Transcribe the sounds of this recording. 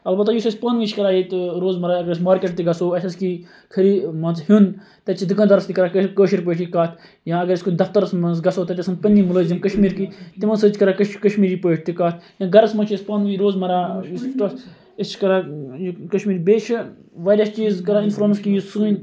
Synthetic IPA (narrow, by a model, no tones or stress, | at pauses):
ɐlbɐt̪ːɐjisɐsʲpɐnʋiːt͡ʃʰkɐɾaːjit̪ɾoːzmɐɾaɐɡɐɾɐsʲmaːɾkeʈ̚t̪iɡɐsoːɐʃʰʲɐski | kʰɐɾimɐnzhun | t̪ɐt͡ʃʰid̪ukɐ̃nd̪ɐɾɐst̪ikɐɾaːkkəːʃiɾpəːʈʰikaːt̪ʰ | jãːɐɡɐɾɐskud̪ɐft̪ɐɾɐsmɐnzɡɐsoːt̪ɐt̪ʲɐsɐnpɐnʲːimuləːzimkɐʃmiːɾkit̪imɐnsɐːt͡ʃʰʲkɐɾakɐʃkɐʃmiːɾiːpəːʈ̚ʰʲt̪ikaːt̪ʰjãːɡɐɾɐsmɐt͡ʃʰɐsʲpɐnʋiɾoːzmɐɾaːjisʈɐs | ist͡ʃʰi̥kɐɾaːjkɐʃmiːɾbeːt͡ʃʰiʋɐːɾʲɐst͡ʃiːzkɐɾaːinfɾɐnskijisuːnʲ